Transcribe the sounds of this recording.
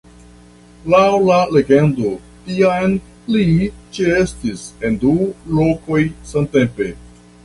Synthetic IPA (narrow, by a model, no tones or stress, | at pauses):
lawlale̞ɡe̞ndo̞ | tiajn | lit͡ʃeestise̞ndulo̞ko̞jsante̞mpe̞